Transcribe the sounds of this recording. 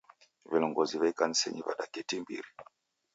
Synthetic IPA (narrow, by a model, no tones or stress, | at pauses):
βilɔŋɡɔziβɛikan̩sɛ̰ɲiβa̰ɗakɛtimbḭɾi